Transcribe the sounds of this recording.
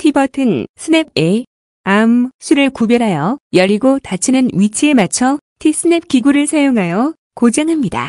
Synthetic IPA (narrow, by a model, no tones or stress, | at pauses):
tʰibʌtʰɯnsʰɯne̞b̚e̞ | amsʰuɾɯɭkubjʌɾɦajʌjʌɾiɡotat͡ɕʰinɯnɥit͡ɕʰie̞mat͡ɕʰʌtʰis͈ʰɯne̞p̚kiɡuɾɯɭsʰajoŋɦajʌ | kod͡ʑaŋɦamɲida̰